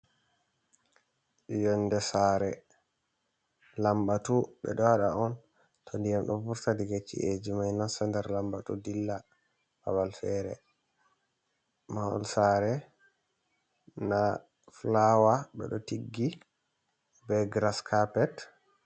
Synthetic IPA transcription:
jɔndɛsaɾɛ | lambatuɓɛ̰ɗɔwaɗa̰ɔn | tʰɔndijamɗɔfuɾtadiɡet͡ʃːḭʔed͡ʒimajnansɛndɛɾlambatudilːa | ba̰balfɛɾɛ̰ | maɔ̰lsaɾɛ | na | flawaɓɛ̰ɗɔtiɡːi | bɛɡɾaskʰapɛt

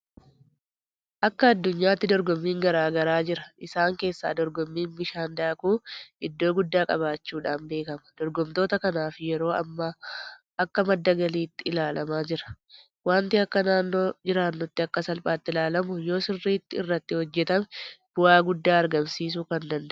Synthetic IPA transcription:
ʔɐkːɐːd̪ːʊɲːaːt̪ːɪd̪ɔɾɡɔmːiːŋɡɐɾaːɡɐɾaːd͡ʒɪɾɐʔɪsaːŋke̞ːsːa̰ːd̪ɔɾɡɔmːiːnbɪʃaːnd̪aːkuːɪd̪ːo̞ːɡʊd̪ːaːkʼɐβaːt͡ʃːuːᶑaːnbe̞ːkɐmɐ̥d̪̥ɔɾɡɔmt̪o̞ːt̪ɐkɐnaːfɪjɛɾo̞ːɐmːɐ | ʔɐkːɐmɐd̪ːɐɡɐliːt̪ːɪɪlaːlɐmaːd͡ʒɪɾɐ̥ | waːnt̪ɪɐkːɐnaːnːo̞ːd͡ʒɪɾaːnːʊt̪ːɪɐkːɐsɐlpʼaːt̪ːɪlaːlɐmʊjo̞ːsɪrːiːt̪ːɪɪrːɐt̪ːɪhɔd͡ʒːɛt̪ɐmɛb̥ʊaːɡʊd̪ːaːɐɾɡɐmsiːs̬ʊkɐnd̪ɐnd̪ɐ

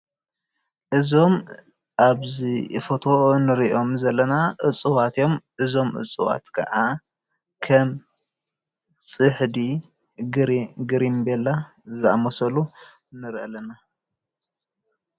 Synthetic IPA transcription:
ʔɨzo̞m | ʔaβzifot̪ʰonɨɾiʔo̞mzɐlːɐnaʔɨt͡sʼːɨwat̪ʰjo̞mʔɨzo̞mʔɨ̰t͡sʼːɨwa̰t̪kʰɐ̰ʕa | kʰɐm | t͡sʼɨħd̪i | ɡɾɡɨɾimbelːazɨʔa̰mɐsɐlu | nɨɾʔɐlɐna

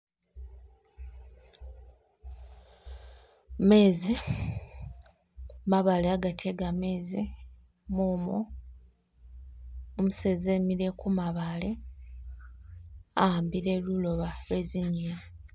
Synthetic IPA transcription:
me̞ːzi | maβaleaɡatʰe̞ɡame̞ːzi | moːmo | muse̞zemiɾe̞kumaβale̞ | ambiɾe̞lulo̞βalwe̞ziɲe

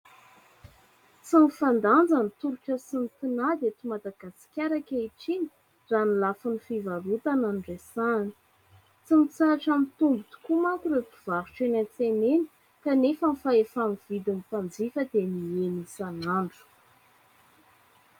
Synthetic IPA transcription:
t͡sinifand̪and͡zanit̪uɾuʈ͡ʂəsinit̪inad̪et̪umad̪aɡasi̥kʲaɾakʲaiʈ͡ʂiɲi̥ | zanilafunifivalut̪ananɖ͡ʐesani̥ | t͡simit͡saaʈ͡ʂamit̪umbit̪u̥kumakuɾet̪iv̥aɾuʈ͡ʂenant͡seneni̥ | kanefəmifaefamiv̥id̪inipand͡zifəd̪̥enienisanaɳɖ͡ʐu̥

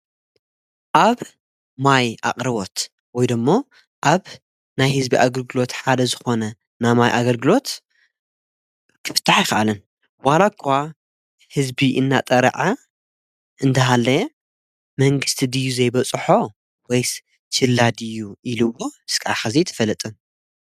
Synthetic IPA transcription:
ʔaβ | majʔa̰qʼɾɐβo̞t̪ | wɔjd̪ɨmːo | ʔaβ | najhɨzbiʔaɡɐlɡɨlo̞t̪ħad̪ɐzɨxo̞nɐ | namajʔaɡɐlɡɨlo̞t̪ | kʰɨ̥fɨ̥t̪ʰːaħjɪxɐʔalɨn | walakʰːa | hɨzbiʔɨnːat̪ʼɐɾ̰ʕa | ʔɨnd̪ʰɐɦalːɐj | mɐŋɡɨst̪ʰid̪ɨjːuzɐjbɐt͡sʼħo̞ | wɔj | t͡ʃʰɨlːad̪ɨjːuʔilɨwːoɨskʰʼɐa̰xazit̪ʰɐ̥fɐlːɐt̪ʼɨn

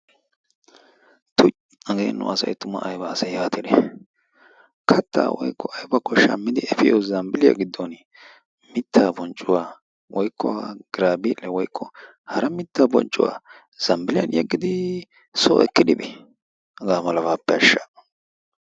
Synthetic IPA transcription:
t̪ʊ | ɐɡḛːnːʊ̰ʔɐsɐ̰jt̪ʊmɐ̰ʔːjbɐːsɐjjaːt̪ɪd̪ɛ | kʰɐt̪ːa̰ːwɔ̰jkːɔʔɐjbɐkːɔʃɐ̰mːɪd̪ɪɛfɪjɔzɐmbɪlɪja̰ɡɪd̪ːɔn | mɪt̪ːaːbɔnt͡ʃʼːʊwaː | wɔjkʰːɔwaɡ̥ɪɾaːbiːlːɛwɔjkʰːɔ | hɐɾɐmɪt̪ːaːbɔ̰nt͡ʃʼʊwa̰ː | z̥ɐmbɪlɪjɐnjɛɡːɪd̪ɪ | so̰ːɛkːɪd̪ɪbɛ | ɐɡaːmɐlɐbaːpːɛɐʃːa

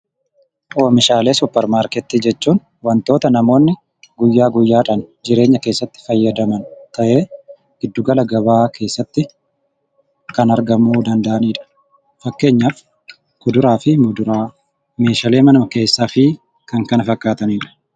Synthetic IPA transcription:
ʔoːmɪʃaːle̞ːsʊpːɛɾmaːɾkɛt̪ːiːd͡ʒɛt͡ʃːuːn | wɐnt̪o̞ːt̪ɐnɐmo̞ːnːɪ | ɡʊjːaːɡʊjːaːᶑɐnd͡ʒɪɾe̞ːɲːɐke̞ːsːɐt̪ːɪ̥fɐjːɐd̪ɐmɐnt̪ɐʔe̞ː | ɡ̥ɪd̪ːʊɡɐlɐɡɐbaːkʰe̞ːsːɐt̪ːɪ | kɐnɐɾɡɐmuːd̪ɐnd̪ɐʔɐniːᶑɐ̥ | fɐkːe̞ːɲːaːf | kʊd̪ʊɾaːfɪd̪ʊɾa | me̞ːʃɐleːmɐnɐmɐke̞ːsːaːfɪ | kɐŋkɐnɐfɐkːaːt̪ɐniːᶑɐ̥

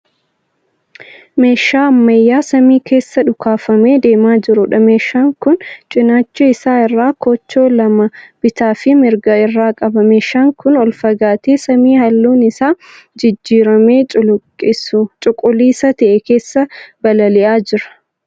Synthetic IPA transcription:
meːʃːaːɐmːɐjːaːsɐmiːkʰe̞ːsːɐᶑʊkʰaːfɐme̞ːd̪e̞ːmaːd͡ʒɪɾʊᶑɐme̞ːʃːaːŋkʊnt͡ʃʼɪnaːt͡ʃːɛɪsaːɪrːaːkɔt͡ʃːo̞ːlɐmɐb̥ɪt̪aːfɪmɪɾɡɐɪrːaːkʼɐbɐme̞ːʃːaːŋkʊnɔlfɐɡaːt̪eːsɐmiːhɐlːuːnɪsaː | d͡ʒɪd͡ʒːiːɾɐme̞ːɪst͡ʃʼʊkʼːʊliːsɐt̪ɐʔɛke̞ːsːɐbɐlɐlɪʔaːd͡ʒɪɾɐ̥

